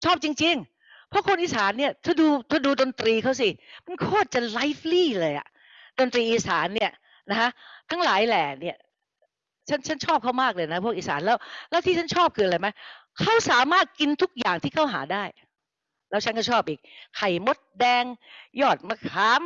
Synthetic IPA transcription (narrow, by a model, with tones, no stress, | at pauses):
t͡ɕʰɔː˥˩p̚t͡ɕi˧ŋt͡ɕi˧ŋ | pʰɔ˦˥kʰo˧nʔiː˨saː˨˩˦nːi˥˩ɐt̪ʰaː˥˩duː˧t̪ʰaː˥˩duː˧do˧nt̪ɾiː˧kʰa˦˥ws̬i˧˩ma˧nkʰoː˥˩t̪̚t͡ɕa˨˩la˦˥jfliː˥˩lɤː˧jʔa̰˨˩ʔ | do˧nt̪ɾiː˧ʔiː˨˧sa̰ː˩˦nːi˥˩ɐ | na˦˥kʰa˦˥ʔt̪ʰa˦˥ŋlaː˨˩˦jlɛː˨˩ni˥˩ɐ | t͡ɕʰa˦˥nt͡ɕʰa˦˥nt͡ɕʰɔː˥˩p̚kʰa˦˥˩wmaː˥˩k̚lɤː˧jna˦˥pʰu˥˩ək̚ʔiː˨sa̰ː˩˦nlɛː˦˥wlɛː˦˥wt̪ʰiː˥˩a˦˥nt͡ɕʰɔː˥˩p̚kʰɯː˧a˧ɾa˧jma˦˥jkʰa˦˥wsaː˩˦maː˥˩t̪̚ki˧nt̪ʰu˦˥k̚jaː˨˩ŋt̪ʰiː˥˩kʰa˥˩wɦa̰ː˩˦daː˥˩j | lɛː˦˥wt͡ɕʰa˦˥nkɔː˥˩t͡ɕʰɔː˥˩p̚ʔiː˨˩k̚kʰa˨˩jmo˦˥t̪̚dɛː˧ŋjɔː˥˩t̪̚ma˧˩kʰaː˦˥m